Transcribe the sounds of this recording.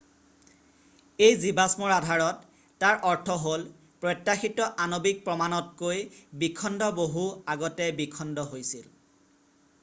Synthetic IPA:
ejzibasmɔɹadʱaɹɔtː | aɹʔɔɹtʰɔɦol | pɹɔjtːaxitɔʔanobik̚pɹɔmanɔtkojbikʰːɔndɔboɦuaɡɔtɛbikʰːɔndɔɦojsil

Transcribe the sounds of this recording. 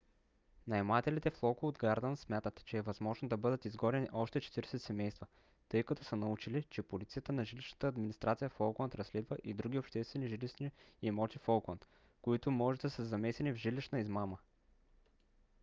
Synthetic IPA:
nɐɛmat̪ɛlit̪ɛflˠɔkʊːd̪ɡaɾd̪ənsmʲjat̪ət̪t͡ʃɛːvɐzmɔʒnod̪ɐbɤd̪ət̪izɡɔɾɛniʔɔʃt̪ɛt͡ʃɛ̥t̪iɾɛsɛt̪sɛmɛjst̪və | t̪ɤjkɐt̪ɔsənɐut͡ʃilit͡ʃɛpolit̪sijət̪ənɐʒiliʃnət̪əːd̪minist̪ɾʔat̪sijəfɔlˠklˠɐnt̪ɾɐslɛd̪vəʔid̪ɾuɡ̟ʲiopʃt̪ɛst̪vɛniʒilist̪nimɔt̪ifɔlˠklˠənt̪ | koit̪ʊmɔʒɛd̪ɐsəzɐmɛsɛnivʒiliʃnɐizmamə

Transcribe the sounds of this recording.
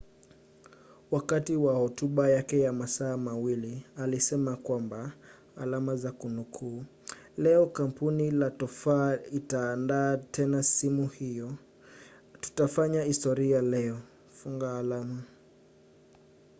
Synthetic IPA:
wakatiwahɔtuɓajakɛjamasaːmawilialisɛmakwamba | alamazakunukʰuː | lɛɔkampunilatɔfaːitaːndaːtʰɛnasimuhijɔ | tu̥tafaɲahistɔɾialɛɔ | fuŋɡaːlama

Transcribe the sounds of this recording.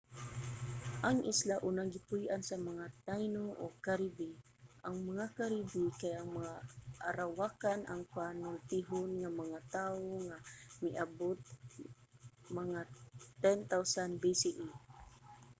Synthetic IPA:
ʔaŋʔɪslaʔunaɡɪpʊiʔansamaŋat̪ajnoŋʔokaɾibɪ | ʔaŋmaŋakaɾibikajʔaŋmaŋaʔaɾawakanaŋpanʊlt̪iɦonŋamaŋat̪aːwoŋamɪʔabot̪̚ | maŋat̪ɛnt̪awsanbisiʔi

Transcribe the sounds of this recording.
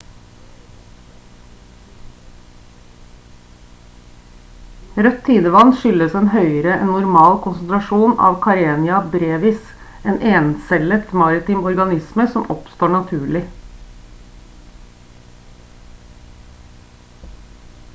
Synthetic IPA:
ɾœt̪ʰːiːd̪əʋɑnʃʏləseːnhœʏəɾəɛːnnʊɾmɑːlkʰʊnsnt̪ɾɑʃuːnɑ̰ːʋkʰɑɾeːnɪɑbɾeːʋiːs | ʔeːnʔeːnsɛlət̪mɑːɾɪt̪ɪmɔɾɡɑnɪsməsɔmʔɔpst̪oːɳɑt̪ʰʉːɭɪ

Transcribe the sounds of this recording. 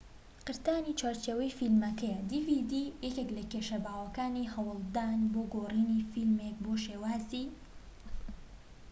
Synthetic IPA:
qɨɾt̪aːnit͡ʃʰwaːɾt͡ʃeːwɐjfilmɐkɐjɐd̪ivid̪ijɛkʲeklɐkeʃɐbaːwɐkaːnihɐwɨlˠd̪aːnboːɡoːriːniːfilmek̚boːʃeːwaːziː

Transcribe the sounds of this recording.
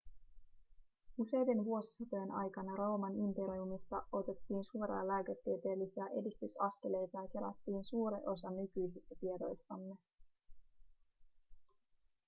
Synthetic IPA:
use̞jde̞nʋuo̞si̥sɑt̪ojenɑjkɑnɑɾo̞ːmɑnimp̪e̞ɾiumisːɑo̞t̪e̞t̪ːiːnsuo̞ɾɑ̰ːlæːket̪ːiet̪eːlːisiæʔe̞̰dist̪ysɑst̪ele̞jt̪ɑjɑke̞lɑ̰t̪ːiːnsuːɾḛʔo̞sɑnːykyjs̬ist̪æt̪iedo̞̰jst̪ɑmːe̞

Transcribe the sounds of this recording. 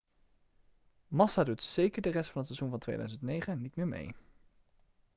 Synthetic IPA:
mɑsadutsejkəɹdərɛstfɑnətsɛzunvɑntʋḛjdœ̰ɥzəntnejχənitmɪːɹmḛj

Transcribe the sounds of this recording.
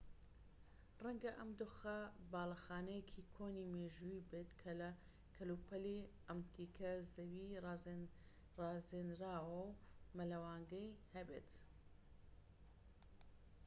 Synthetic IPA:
rɐŋɡɐʔɐmd̪uxɐbaːlɐxaːnɐjekʰiːkʰoːnimeːʒujibet̪kʰɐlɐ | kʰɐlupʰɐli | ɐmt̪ʰikʰɐzɐwiz | raːzenɾaːwɐwmɐlɐwaːŋɡɐjhɐbeːt̪

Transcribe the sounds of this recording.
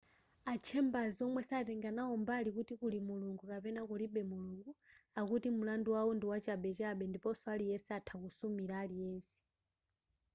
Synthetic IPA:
at͡ʃʰɛmbazɔmwɛsatɛŋɡanaɔmbalikutikulimuluŋɡukapɛnakuliɓɛmuluŋɡuakutimulanduwaɔnduwat͡ʃaɓɛt͡ʃɛaɓɛndipɔsɔalijɛsɛatʰakusumiɾaːlijɛːnsɛ̥

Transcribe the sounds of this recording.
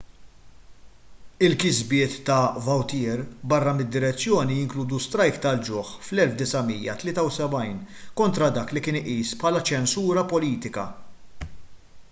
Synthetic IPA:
ɪlkɪzbɪːt̪ːɐvɐwt̪ɪːɾbɐrːɐmɪd̪ːɪɾɛt͡sːjɔːnijɪŋkluːd̪ust̪ɾɐjkt̪ɐld͡ʒʊːħflɛlfd̪ɪsɐmiːjːɐ̰t̪lɪːt̪ɐwsɛbɐjnkɔnt̪ɾɐd̪ɐːklikɪːnɪʔiːspħɐːlɐt͡ʃɛnsuːɾɐpɔliːt̪ɪkɐ̰

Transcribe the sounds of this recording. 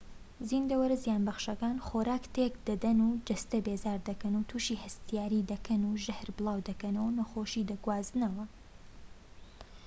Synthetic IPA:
zind̪ɐwɐɾɐzjaːnbɐxʃɐkaːnxoːɾaːkt̪ekd̪ɐd̪ɐnuːd͡ʒɐst̪ɐbezaːɾd̪ɐkɐnuːt̪ʰuːʃiːhɐst̪ijaːɾiːd̪ɐkʰɐnuːʒɐhɾbɨlˠaːwd̪ɐkɐnɐwɐnɐxoʃiːd̪ɐɡwaːznɐwɐ

